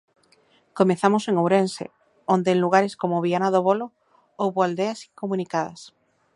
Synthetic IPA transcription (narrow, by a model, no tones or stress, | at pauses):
komeθamoseŋowɾensḛ | ond̪eːŋluɣ̞aɾeskomoβianaðoβolo | owβoald̪easiŋkomũnikaðɐ̰s